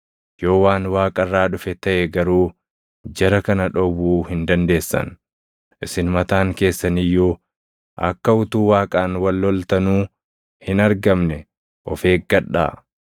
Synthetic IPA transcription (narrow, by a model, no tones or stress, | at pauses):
jo̞ːwaːnwaːkʼɐrːaːᶑʊfɛt̪ɐʔɛɡɐɾuː | d͡ʒɛɾɐkɐnɐᶑɔwuːhɪnd̪ɐnd̪e̞ːsːɐ̰n | ʔɪsɪnmɐt̪aːŋke̞ːsːɐnɪjːuː | ʔɐ̰kːɐʊt̪uːwaːkʼaːnwɐlːɔlt̪ɐnuː | hɪnɐɾɡɐmnɛ | ʔɔfe̞ːk̚ɡɐᶑːa̰ː